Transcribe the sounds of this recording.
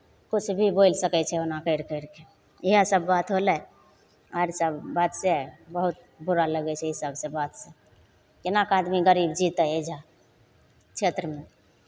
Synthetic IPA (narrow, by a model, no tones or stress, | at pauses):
kut͡ʃʰbʱibojlsəkɛt͡ʃʰɛonakəɪɾkəɪɾke | eɦasəbːat̪ɦolɛ | aɾsəbːat̪sebəɦut̪̚ | buɾaləɡɛt͡ʃʰɛisəbsẽbat̪sẽ | kinakad̪miɡəɾibd͡ʒit̪əed͡ʒa | t͡ʃʰet̪ɾəme